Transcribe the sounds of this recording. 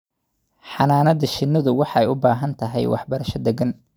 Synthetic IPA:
ħɑnaːnɐðɐʃɪnːɐðʊwɑħɑɛjʊbaːɦɐnt̪ʰɐɦɛ̰jwʔɑ̰ħbɐɾɐʃɐd̪ɛɡɐn

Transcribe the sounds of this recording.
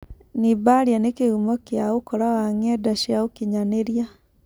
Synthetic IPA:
nibaɾjanekeumɔkjaokɔɾawaŋɛdaʃiaokiɲaneɾja

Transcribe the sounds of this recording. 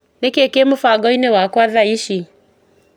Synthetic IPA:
nɛkekemufaɡɔinewakwaðaiʃi

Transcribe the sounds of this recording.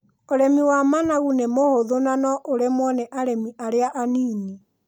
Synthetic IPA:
oɾɛmiwamanaɣunemohoðonanɔʔoɾɛmwɔnɛʔaɾɛmiʔaɾeaʔaniːni

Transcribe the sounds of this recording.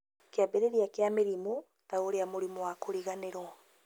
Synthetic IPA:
keabeɾeɾiakeameɾimo | taoɾeamoɾimowakoɾiɣaneɾwɔ

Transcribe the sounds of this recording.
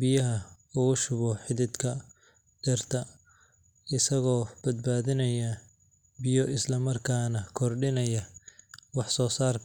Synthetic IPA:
bɪjɐɦɐ | ʊʊʃʊβɔħɪðɪd̪kʰɐ | d̪̥ɛrt̪ʰɐ | ɪsɐɣɔːb̥ɐd̪̚baːðɪnɐjɐ | bɪjɔʔɪslɐmɐrkʰaːnɐkʰɔrɖɪnɐjɐwɑħsɔːsaːrkʰɐ

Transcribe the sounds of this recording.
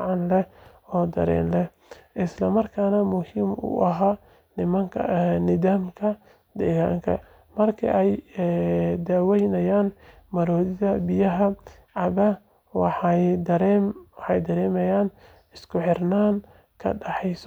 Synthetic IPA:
ʕɑnlɛ | ɔːd̪ɐ̰ɾɛ̰ːnlɛ | ʔɪslɐmɐrkʰaːnɐmʊhiːmʊ̰ʔɐɦaː | nɪmɐŋkʰɐnɪðaːmkʰɐ | d̪ɛːɣa̰ːŋkʰɐ̰ | mɐrkʰḭʔɛj | d̪aːwɛjnɐjaːn | mɐɾɔːðɪðɐbɪjɐɦɐ | ʕɑβɐ | wɑħɑjd̪ɐɾɛmwɑħɑjd̪ɐɾɛːmɛjaːn | ɪskʰʊħɪrnaːn | kʰɐ̰ɖɑħɛjs

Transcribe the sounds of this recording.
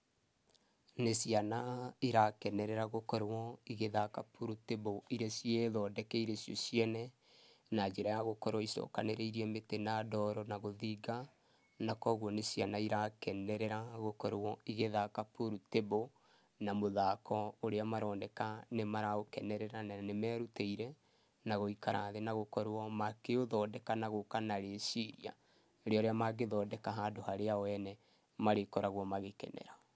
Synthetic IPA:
nesianaiɾakɛnɛɾɛɾaɣokɔɾwɔiɣeðakapuɾuteboiɾesieðɔːdɛkɛiɾesjɔsjɛnɛ | nad͡ʒeɾajaɣokɔɾwɔisɔ̰ːkaneɾɛiɾiɛmetenadɔɾɔnaɣoðiɡa | nakɔɣwɔnesjanaiɾakɛnɛɾɛɾaɣokɔɾwɔiɣeðakapoɾutebo | namoðakʰɔoɾeamaɾɔːndɛkanemaɾaokɛnɛɾɛɾananemɛːɾuteiɾɛ | naɣoikaɾʔa̰ðenaɣokɔɾwɔmakeoðɔːdɛkanaɣokanaɾesiɾia̰ | ɾeɔɾeamaɡeðɔːdɛkaɦaːdohaɾeawɛnɛ | maɾekɔɾaɣwɔmaɣekɛ̰nɛ̰ɾa

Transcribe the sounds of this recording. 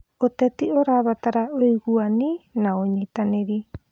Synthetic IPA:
ot̪ɛtioɾaβat̪aɾaoiɣuaninaoɲit̪aneɾi

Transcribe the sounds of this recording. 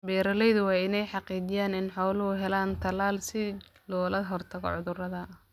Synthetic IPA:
bɛːɾɐlɛjðʊwɑːɪnɛjħɑqiːd͡ʒɪjaːnɪnħɔːlʊɦʊɦɛlaːnt̪ʰɐlaːlsɪlɔːlɐɦɔrt̪ʰɐɣɔ̰ʕʊðʊrɐðɐ

